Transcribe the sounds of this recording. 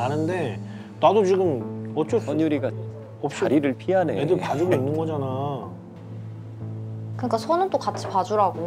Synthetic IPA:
anɯnde̞ | nadot͡ɕiɡɯmʌt͡ɕ͈ot͡ɕʌɲuɾiɡa | ʌp̚t͡ɕ͈ʰaɾiɾɯɭpʰiɦaneedɯpad͡ʑuɡoinːɯnɡʌd͡ʑana | kɯɲik͈asʰonɯnt͈okat͡ɕʰi̥pad͡ʑuɾaɡo

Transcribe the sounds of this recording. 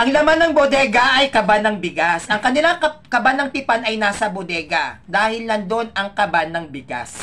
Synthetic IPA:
ʔɐŋlɐmanɐŋbod̪ɛɡɐʔɐjkɐbanɐŋbɪɡasʔɐŋkɐnɪlakɐkɐbanɐŋpɪpanɐjnaːsɐbod̪ɛːɡɐd̪aːhɪlnɐnd̪o̞nɐŋkɐbanːɐŋbɪɡa̰s

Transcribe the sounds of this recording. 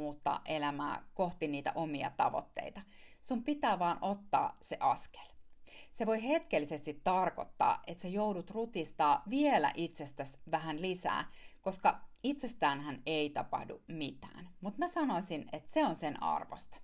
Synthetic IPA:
uːt̪ːɑ̰ːʔe̞læmæ̰ːkoht̪iniːt̪æ̰ʔomiɑ̰t̪ɑ̰ʋo̰t̪ːḛit̪ɑsumpit̪æːʋɑːnʔo̞t̪ːɑ̰ːseʔɑske̥lseʋo̞jhe̞t̪kelːise̞st̪it̪ːɑrko̰t̪ːɑ̰ːʔet̪sejoudut̪rut̪ist̪ɑːʋielæ̰ʔit̪se̞st̪æsʋæɦænlisæ̰ːko̞skɑit̪se̞st̪æːnɦæneit̪ɑpɑ̰hdṵmit̪æ̰ːnmut̪mæsɑnoisinet̪seonsenʔɑ̰rʋost̪ɑ̥

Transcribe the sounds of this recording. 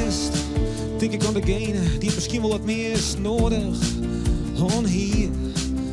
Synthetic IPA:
st | tɪŋkɪkɔndəɡeːnd̥iətməskiənvɔlˠətmeːstnoːdəχ | hɔːnɦiː

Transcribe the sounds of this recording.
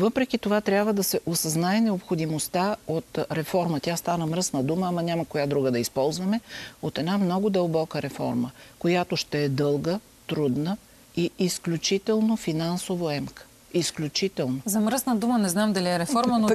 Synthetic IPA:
vɤpɾɛk̟it̪ovat̪ɾʲabvəd̪ɐsɛʔosɐznaɛnɛopxod̪imost̪aot̪ɾɛfɔɾmət̪ʲjast̪anəmɾəsnɐd̪uməːmanʲaməkojad̪ɾuɡəd̪ɐispɔlˠzvɐmɛot̪ɛd̪amnɔɡʊd̪əlˠbɔkəɾɛfɔ̰ɾməkojat̪oʃt̪ɛɛd̪ɤlˠɡə | t̪ɾud̪nə | iisklʲut͡ʃit̪ɛlˠnofinansovoɛmkə̥ | isklʲut͡ʃit̪ɛlˠnozɐmɾəsnəd̪umənɛznamd̪ɐlʲiɛɾɛfɔɾməno

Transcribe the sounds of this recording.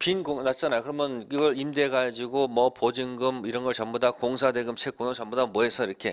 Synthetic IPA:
pinɡoŋnat͡ɕ͈anajokɯɾʌmjʌnkiɡʌɭimde̞ɡad͡ʑiɡomwʌpod͡ʑiŋɡɯmiɾʌnɡʌɭt͡ɕʌmbodakoŋsʰade̞ɡɯmt͡ɕʰek͈unot͡ɕʌmbodamwʌɦe̞sʰʌiɾʌkʰe̞

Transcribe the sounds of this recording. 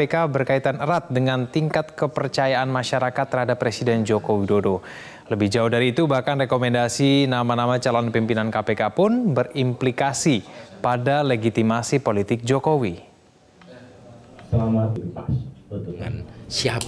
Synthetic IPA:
ekabərkait̪anəɾat̪̚dəŋant̪iŋkat̪kəpərt͡ʃajaʔanmaʃaɾakat̪ːərhadapːɾesidɛnd͡ʒokowidodo | ləbɪhd͡ʒauhdaɾiːt̪ubahkanrekomɛndasinamanamat͡ʃalɔnpimpinankapekapʊnbərimplikasipadaleɡit̪imasipolit̪ɪk̚d͡ʒokowi | səlamat̪ipast̪sia

